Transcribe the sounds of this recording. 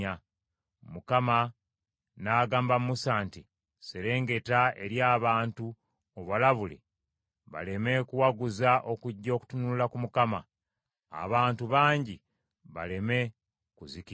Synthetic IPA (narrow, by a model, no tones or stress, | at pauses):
a | mukama | naːɡaːmbammusaːnti | seɾe̞ːŋɡe̞tae̞̰ɾjaːβaːntu | oβalaβulḭ | βa̰leme̞kuwaɡuzaʔo̞kuɟːo̞ːku̥tunululakumukama̰ː | βaːntuβaːɲɟi | βa̰leme̞ | kuziki